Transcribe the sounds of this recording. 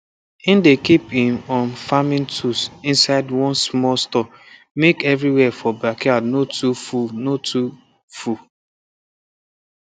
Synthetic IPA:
ĩndekipĩnɔ̃nfamĩntʰusĩnsaɪdwɔ̃nsmɔlstɔk | mekɛvɾiwɛfɔbakianotufunotʰu | fu

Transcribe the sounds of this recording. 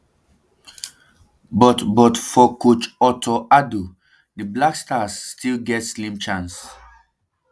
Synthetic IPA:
bɔtbɔtfɔkut͡ʃɔtʰɔʔadu | dəblakstʰasːtʰilɡɛtslĩmt͡ʃãns

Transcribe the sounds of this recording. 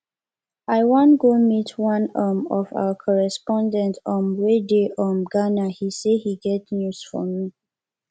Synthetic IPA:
aɪwɔ̃nɡomitʰwãnamɔva̰əkʰɔɹɛspɔ̃ndɛ̃ntɔ̃nɹedeʔɔ̃nɡanahisehiɡɛtnjusfɔ̰mi

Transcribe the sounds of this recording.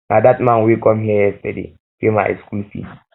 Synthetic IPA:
nʔadatmãnwikɔmhiəjɛstadḛ | fima̰jskulfḭ

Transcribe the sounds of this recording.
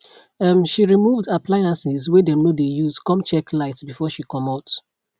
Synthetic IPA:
amʃiɹimuvdapʰlaɪãnsizwɛdɛ̃mnodejuzkɔ̃mt͡ʃɛklaɪtsbifɔʃikɔ̃maʊt

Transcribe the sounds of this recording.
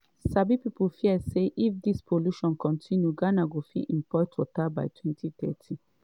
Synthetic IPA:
sabipipulfiəseʔifd̪ispʰoluʃɔ̃nkɔ̃ntʰĩnjuɡanaɡofḭʔĩmpɔɪtʰɔtaba̰jtʰwɛ̃ntʰit̪ɛ̰tʰĩ

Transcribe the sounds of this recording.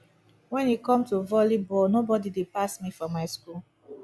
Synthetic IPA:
wɛ̃nikɔ̃mtuvɔlibɔlnobɔdidepasmifɹɔ̃mːaɪskul

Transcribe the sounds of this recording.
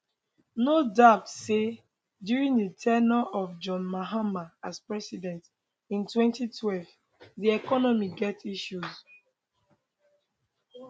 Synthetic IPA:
nodapse | djuɹĩŋdətʰɛnɔɔvd͡ʒɔ̃nmaɦamaaspɹɛsidɛ̃nt | ĩntwɛ̃ntitʰwɛlv | diɛkɔnɔmiɡɛtiʃuz

